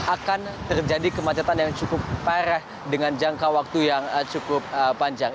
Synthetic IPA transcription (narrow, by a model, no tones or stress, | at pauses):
akant̪ərd͡ʒadikəmat͡ʃat̪anjaŋt͡ʃukʊp̚ːaɾɛh | dəŋand͡ʒaŋkawak̚t̪ujaŋt͡ʃukʊp̚əpːaɲd͡ʒaŋ